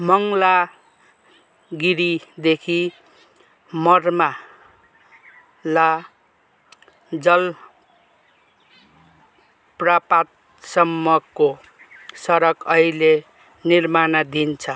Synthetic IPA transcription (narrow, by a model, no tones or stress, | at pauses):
mʌŋla | ɡiɾid̪ekʰi | mʌrma | la | d͡zʌl | prapat̪̚ | sʌmːʌkːo | sʌɾʌkʌile | nirmanad̪ʱint͡sʰʌ